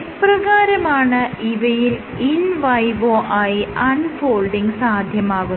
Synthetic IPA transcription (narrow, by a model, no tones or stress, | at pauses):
prɐɣaːɾɐmaːɳɨiʋɐjil | inʋɐjʋoːʔaːjiɐnfoːlɖiŋɡsaːd̪ʱjɐmaːɣun